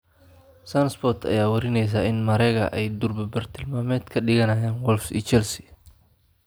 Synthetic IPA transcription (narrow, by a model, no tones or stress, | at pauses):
sanspɔrt̪ʰɐ̰jaːwɐɾɪnɛjs̬aːɪnmɐɾɛːɣɐ̰ʔɛjd̪ʊrbɐbɐrt̪ʰɪlmaːmɛːd̪kʰɐɗɪɣɐnɐjaːnwɔlfḭt͡ʃɛlsi̥